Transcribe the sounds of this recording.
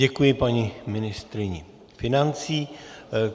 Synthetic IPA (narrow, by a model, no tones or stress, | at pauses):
ɛkujɪpaɲimɪnɪst̪ɾɪɲɪ | fɪnant͡siː